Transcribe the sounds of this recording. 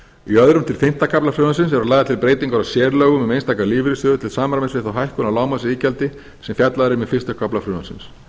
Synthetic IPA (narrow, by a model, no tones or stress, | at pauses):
iœðɾʏmt̪ʰɪlfɪn̥t̪akʰaplafɾʏːðasɪnsɛɾalajðat̪ʰɪlpɾeːjt̪iŋkaɾasjɛːɾlœːɣʏmɛmejnst̪ʰaːkaliːvɾɪsœːðʏt̪ʰɪlsaːmaɾamɪnsvɪθawɦajhkʏnawlaːwmasɪiːcalt̪ɪ | sɛmfjat̪laðɾɪmɪðfɪ̥st̪akʰaplafɾʏːðasɪ̰ns